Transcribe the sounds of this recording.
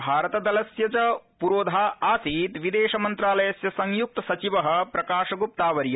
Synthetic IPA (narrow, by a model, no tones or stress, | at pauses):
bʱaːɾɐt̪ɐd̪ɐlɐsjɐt͡ʃɐpuɾoːd̪ʱaːʔaːsiːt̪ʋid̪eːʃɐmɐnt̪ɾaːlɐjɐsjɐsɐŋjuk̚t̪ɐsɐt͡ʃiʋɐɦɐ̆pɾɐkaːʃɐɡup̚t̪aːʋɐɾjɐ